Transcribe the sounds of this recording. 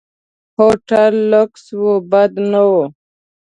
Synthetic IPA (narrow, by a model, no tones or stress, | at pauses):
hoʈalːokswobad̪nawo